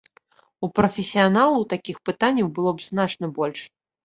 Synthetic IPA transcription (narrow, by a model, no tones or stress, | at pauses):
upɾɐfʲɛsʲijanalˠut̪akʲixpɨt̪anʲːɐwbɨlˠɔbznat͡ʂnɐbɔlʲʂ